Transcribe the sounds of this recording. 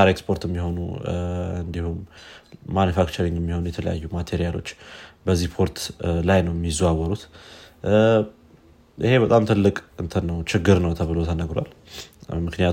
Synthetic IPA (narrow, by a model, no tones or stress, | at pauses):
aɾekspʰo̞ɾt̪ɛmːiɦo̞nṵ | ɨnd̪ihumː | anufakt͡ʃəɾiŋjɛmːiho̞nujɛt̪ʰələja̰jːumat̪ʰeɾijalo̞̰t͡ʃːbəzːihpʰo̞ɾt̪lajnəwjɛmːizuawəɾut̪ | ʔɨ̰he̞bət̪ʼamt̪ʰɨlːɨkʼɨnt̪ʰənːəwt͡ʃɪɡːɨɾnəwt̪ʰəβɨlot̪ʰənəɡɾwa̰lmɨknijat̪